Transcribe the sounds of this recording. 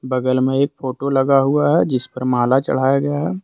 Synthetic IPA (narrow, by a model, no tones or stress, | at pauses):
bɐɡəlmẽeːk̚fʰoːʈolɐɡaɦuaɦɛd͡ʒɪspɐɾmaːlat͡ʃɐ̰ɽ̤aːjaɡɐjaɦɛː